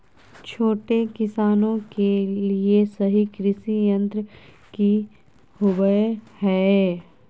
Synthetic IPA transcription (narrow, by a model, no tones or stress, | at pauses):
t͡ʃʰoːʈekɪsaːnõkeliesɐɦikɾɪsijə̃nt̪ɾə | ki | hʊbəhɛː